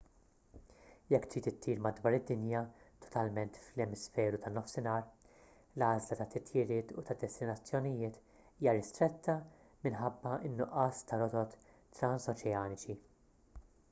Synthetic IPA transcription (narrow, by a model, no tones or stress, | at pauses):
jɛkːt̪iːt̪ɪt̪ʰːiːɾmɐd̪wɐːɾɪd̪ːɪnjɐt̪ʰɔ̥t̪ɐlmɛnt̪flɛmɪsfɛːɾut̪ɐnːɔfsɪnɐːɾ | lɐːzlɐt̪ɐt̪ɪt̪ʰjɪɾɪːt̪ut̪ɐd̪ɛst̪ɪnɐt͡sːjɔnɪjɪːt̪ | iːjɐɾɪst̪ɾɛt̪ʰːɐ | mɪnħɐbːɐɪnːʊʔɐːst̪ɐɾɔt̪ɔt̪ː | ɾɐnsɔt͡ʃɛɐːnɪt͡ʃi